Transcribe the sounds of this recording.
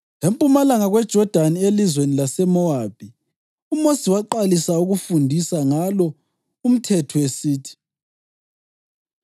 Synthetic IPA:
lempʼumalaŋaɣwɛd̥ʒ̥ʱɔd̥ʱanielizwenilasɛmɔab̥̚ʱi | umosiwaǃalisauɣufundʱisaŋalɔ | um̩tʰɛtʰɔesiːtʰi̥

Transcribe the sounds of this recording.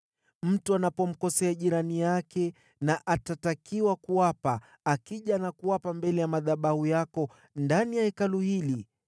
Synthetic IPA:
m̩tuanapɔm̩kɔsɛaʄiɾanijakɛ | naʔatatakiwakuwapa | akiʄanakuwapambɛlɛjamaðaɓahujakɔ | ndanijaɛkaluhili

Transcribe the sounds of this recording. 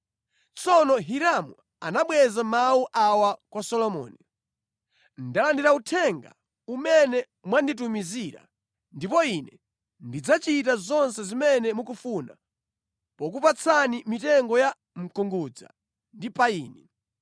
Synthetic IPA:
t͡sɔnɔɦiɾamṵ | anaɓwɛzamauʔawakwasɔlɔmɔ̰ːni | ndalandiɾautʰɛŋɡa̰ | umɛnɛ | mwandit̬umiziɾa̰ | ndipɔinɛ | ndid͡zat͡ʃitazɔnsɛzimɛnɛmukufuna̰ | pɔk̬upat͡sʰanimitɛŋɡɔja | m̩kuŋɡud͡za̰ | ndipaiːni

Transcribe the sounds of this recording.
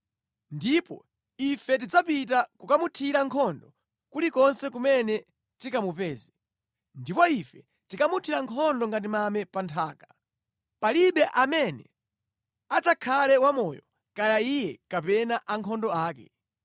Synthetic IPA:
ndipɔ̰ | ifɛt̬id͡zapit̬akukamutʰiɾaŋkʰɔndɔ | kulikɔnsɛkumɛnɛ | tikamupɛːzi | ndipɔifɛ | tikamutʰiɾaŋkʰɔndɔŋɡat̬imamɛpantʰaːka | paliɓɛʔamɛnɛ̰ | at͡sakʰalɛwamɔjɔ | kajaijɛkapɛnaʔaŋkʰɔndɔaːkɛ

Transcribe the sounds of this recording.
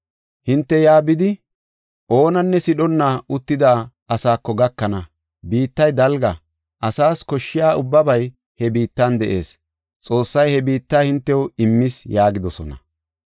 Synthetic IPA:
hɪnt̪ːɛjaːbɪd̪ɪ | ʔo̞ːnɐnːɛsɪɗɔnːaʔʊt̪ːɪd̪aː | ɐsaːkːɔɡɐkːɐnɐ | biːt̪ːɐjd̪ɐlɡɐ | ʔɐsaːskɔʃːɪjaːʔʊbːɐbɐj | hɛbiːt̪ːɐnd̪ɛʔe̞̰ːs | t͡sʼo̞ːsːɐjhɛbiːt̪ːaːhɪnt̪ːɛwɪmːɪsjaːɡɪd̪ɔsɔnɐ̰

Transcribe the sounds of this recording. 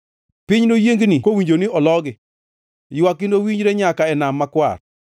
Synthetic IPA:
pɪɲnojeŋɡnikowiɲd͡ʒoniɔlɔɡɪ | jwakɪndowiɲd͡ʒɾeɲakaɛnamːakwa̰r

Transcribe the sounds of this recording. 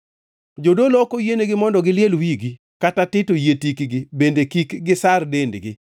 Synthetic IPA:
d͡ʒodolɔkojeneɡɪmɔndɔɡɪljelwiɡi | katatɪtojetikɡɪbendekikɡɪsardendɡɪ

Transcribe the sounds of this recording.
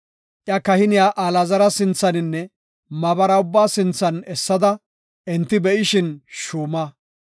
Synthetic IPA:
ʔjɐkɐhɪnɪjaːʔaːlɐzɐɾɐsɪnt͡sːɐnɪnːɛ | mɐbɐɾɐʊbːaːsɪnt͡sːɐnɛsːɐd̪ɐ | ʔɛnt̪ːɪbɛʔɪʃɪnʃuːmɐ

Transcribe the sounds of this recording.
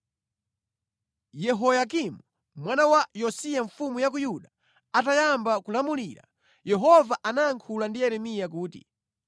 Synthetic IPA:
jɛɦɔjak̬imu | mwanawajɔsijaɱfumujak̬ujuɗa | atajambakulamulḭːɾa̰ | jɛɦɔvaʔanaːŋkʰulandiɛɾɛmijak̬uːtḭ

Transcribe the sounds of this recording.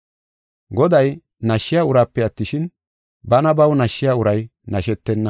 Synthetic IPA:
ɡɔd̪ɐj | nɐʃːɪjaːʊɾaːpːɛɐt̪ːɪʃɪn | bɐnɐbɐwnɐʃːɪjaːʊɾɐjnɐʃɛt̪ːɛnːɐ

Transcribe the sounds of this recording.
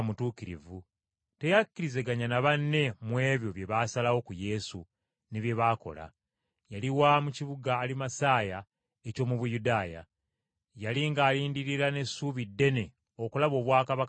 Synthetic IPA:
mutuːkiɾḭvu | te̞jakːiɾize̞ɡaɲanaβanːe̞mwe̞ːβjoβje̞βasalawo̞kuje̞sṵ | neβje̞βaːko̞̰la̰ | jaliwamuciβuɡaːlimasaːja | eco̞ːmuβujudaːja̰ | jaliŋɡaːliːndiɾiɾane̞suːβidːe̞ne̞ | o̞kulaβo̞ːβwaːkaβak

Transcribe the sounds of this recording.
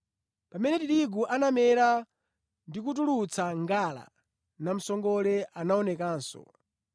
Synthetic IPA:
pamɛnɛtiɗiɡuʔanamɛɾa | ndik̬ut̬ulut͡sʰaŋɡala̰ | nam̩sɔŋɡɔlɛʔanaɔnɛkaːnsɔ̰

